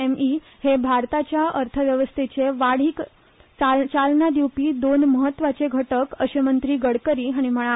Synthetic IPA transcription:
emi | hebʱaɾt̪at͡ɕjaəɾt̪ʰəʋjəʋəst̪ʰet͡seʋaɽ̤iːk | t͡sat͡salnad̪iwpiːd̪onməɦət̪ːʋat͡seɡʱəʈəkəɕemənt̪ɾiːɡəɽkəɾiːɦaɽ̃im̤əɭ̃a

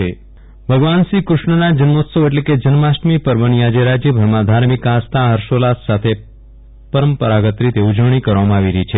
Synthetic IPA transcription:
e | bʱəɡʋansikɾuʂɳənad͡ʒənmot̪səʋeʈ̬leked͡ʒənmasʈmipəɾʋəɳ̃ijad͡ʒeɾad͡ʒjəbʱəɾmãd̪ʱaɾmikast̪aɦəɾʃolassat̪ʰe | pəɾəmpəɾaɡət̪ɾit̪eud͡ʒəʋɽ̃ikəɾʋamãaːʋiɾəit͡ʃʰe

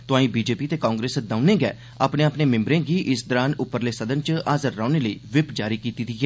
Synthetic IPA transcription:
t̪ʊãːĩːbiːd͡ʒeːpiːt̪eːkãːŋɡɾeːsd̪aːʊnẽːɡɛ̰ː | a̰ːpnẽːəpneːmɪ̃mbɾẽːɡiːʔɪsd̪əɾaːnʊpːəɾleːsəd̪ənt͡ʃaːzəɾːaːʊneːləiːʋɪpd͡ʒaːɾiːkiːt̪iːd̪iːɛː

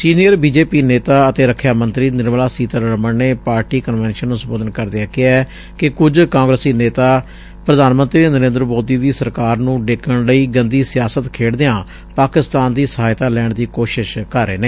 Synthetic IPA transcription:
siːnijəɾbiːd͡ʒeːpiːneːt̪aːət̪eːɾəkʰːjaːmə̃nt̪ɾiːnɪɾmlaːsiːt̪əɾɾəməɳneːpaːɾʈiːkənʋɛːnʃənːũsəmboːd̪ənkəɾd̪eaːkɪaɛː | kɪkʊd͡ʒkãːŋɡɾəsiːneːt̪aː | pɾəd̪aːnmə̃nt̪ɾiːnəɾẽːnd̪ɾmoːd̪iːd̪iːsəɾkaːɾnũːɖekʰəɳləiːɡənd̪iːsɪjaːsət̪kʰeːɽd̪eãː | paːkɪst̪aːnd̪iːsəɦaːjt̪aːlɛːɳd̪iːkoːʃɪʃkəɾːeːneː

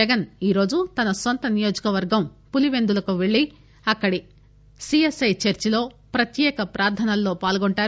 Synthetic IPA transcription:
ɐɡɐniːɾo̞ːd͡ʒut̪ɐnɐsont̪ɐnijo̞ːd͡ʒɐkɐʋɐɾɡɐmpuliʋe̞nd̪ulɐkuʋeɭːi | ɐkːɐɽi | siesɐjt͡ʃɐɾt͡ʃilo̞ːpɾɐt̪jɛːkɐpɾaːɾt̪ʰɐnɐlːo̞ːpaːlɡoɳʈaːɾ

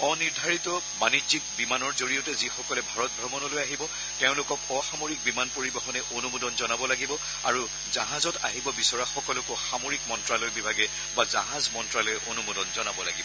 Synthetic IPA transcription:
ɔniɹdʱaɹitɔ | manizik̚bimanɔɹzoɹijotɛzixɔkɔlɛbʱaɹɔt̚bʱɔɹmɔnɔlojaɦibɔ | tɛʊ̃lʊkɔkɔxamoɹik̚bimanpoɹibɔxɔnɛʔonumodɔnzɔnabɔlaɡibɔ | a̰ɹu | zaɦazɔta̰ɦibɔbisɔɹaxɔkɔlɔkɔxamoɹikmɔntɹalɔjbibʱaɡɛ | bazaɦazmɔntɹalɔjʔonumodɔnzɔnabɔlaɡibɔ

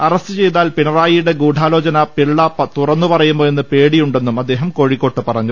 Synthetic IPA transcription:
ɐrɐst̪ɨt͡ɕe̞jt̪̬aːlpinɐraːjiɽe̞ɡuːɖʱaːlo̞ːt͡ɕɐnɐpiɭːɐpɐt̪urɐnːupɐrɐjumːoːe̞nːɨpe̞ːɽijuɳɖe̞nːumɐd̪ːe̞ːɦɐmko̞ːɻikːo̞ːʈːɨpɐrɐɲːu

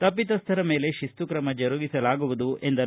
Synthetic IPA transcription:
t̪ɐpːit̪ɐst̪ʰɐɾɐme̞ːle̞ʃist̪ukɾɐmɐd͡ʒɐɾuɡisɐlaːɡuʋud̪uʔe̞nd̪ɐ

